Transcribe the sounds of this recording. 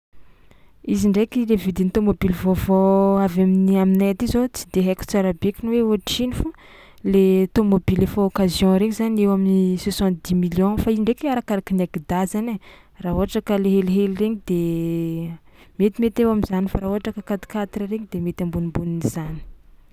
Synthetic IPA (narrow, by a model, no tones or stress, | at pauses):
iziɳɖ͡ʐekilevid̪init̪omobilvovoavaminiaminaat̪izot͡si̥d̪eɦeku̥t͡saɾabekʲinweoaʈ͡ʂinifu | let̪omobilefookazjɔ̃ɾeɲizanewaminisesɑ̃nt̪̚d̪imiljɔ̃faiziɳɖ͡ʐekiaɾakaɾakinaɡid̪azane | raːɦoɦaʈ͡ʂakəleɦeliɦelreɲid̪e | met̪imet̪ewamizanifaɾaːoaʈ͡ʂakəkat̪i̥kat̪rɾeɲid̪emet̪ãmbunimbuninizani̥